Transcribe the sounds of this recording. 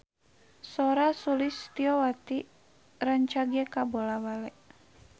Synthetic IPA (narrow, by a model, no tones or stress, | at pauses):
sɔɾasulist̪iɔwat̪i | rəɲt͡ʃaɡɛkabolawalɛ